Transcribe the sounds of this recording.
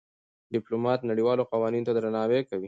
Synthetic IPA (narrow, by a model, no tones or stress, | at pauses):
ɖɪplomɑt̪naɽiwɑloqawɑninot̪ad̪ɾanɑwekawi